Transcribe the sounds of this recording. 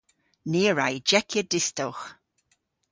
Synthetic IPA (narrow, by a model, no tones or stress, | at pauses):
neːɹajd͡ʒɛkʰjədɪstɔwx